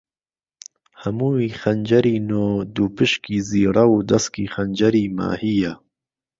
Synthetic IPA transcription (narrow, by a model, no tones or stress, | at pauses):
hɐmuːiːxɐnd͡ʒɐɾiːnoːd̪uːpɨʃkiːziːɾɐwuːd̪ɐskiːxɐnd͡ʒɐɾiːma̰ːhijɛ